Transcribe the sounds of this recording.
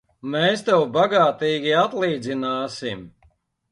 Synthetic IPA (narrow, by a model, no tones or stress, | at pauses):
mɛːst̪ɛwbaɡaːt̪iːɡʲiat̪lˠiːd̪zinaːsim